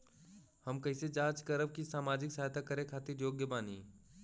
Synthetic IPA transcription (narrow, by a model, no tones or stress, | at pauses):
həmkɐɪsed͡ʒaːt͡ʃkəɾəb̚kisaːmaːd͡ʒɪksaːɦt̪ʰakəɾekʰaːt̪iɾjoːɡjəbaːnḭː